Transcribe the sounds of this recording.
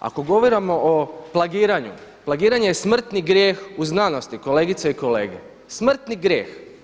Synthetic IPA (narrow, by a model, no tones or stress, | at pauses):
a̰ko̞ɡo̞ʋoɾamo̞ʔoplˠaɡiːɾaɲṵplaɡiːɾaɲe̞jesmr̩t̪niɡɾʲjeːxuznano̞st̪iko̞le̞ːɡit̪seiko̞le̞̰ːɡe̞̰ | smr̩t̪niɡɾje̞̰ːx